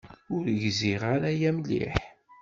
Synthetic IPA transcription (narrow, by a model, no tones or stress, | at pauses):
ʊɾʝziʁaɾajæmlḭħ